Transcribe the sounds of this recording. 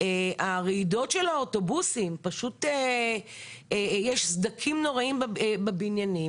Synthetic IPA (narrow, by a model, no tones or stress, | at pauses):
eaʁiido̞tʃelaoto̞busimpaʃute | jɛʃsd̪akʰimno̞ʁaimbbabinjanim